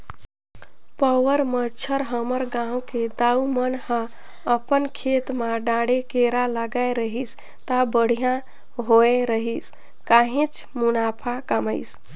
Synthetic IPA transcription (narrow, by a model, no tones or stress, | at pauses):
pəwəɾmət͡ʃʰəɾɦəməɾɡãũked̪aumənhə̃ | əpənkʰet̪maɖãɽekeɾaləɡaeɾəɦis | t̪əbəɽ̤ijã | ɦoeɾəɦis | kaɦẽt͡ʃʰmunapʰakəməɪs